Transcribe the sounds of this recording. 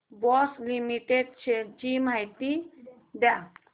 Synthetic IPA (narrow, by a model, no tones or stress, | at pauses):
bɔslimiʈeɖ̚t͡ʃʰed͡ʒimajt̪i | bja